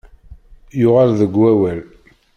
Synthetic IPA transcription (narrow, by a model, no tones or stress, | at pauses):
jʊʁalðəɡwæwæl